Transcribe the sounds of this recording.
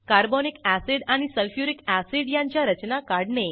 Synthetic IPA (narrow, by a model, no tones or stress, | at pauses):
kaɾbɔnikæsiɽaɽ̃isəlfjuɾikæsiɽjãɲt͡ɕjaɾət͡ɕnakaɽne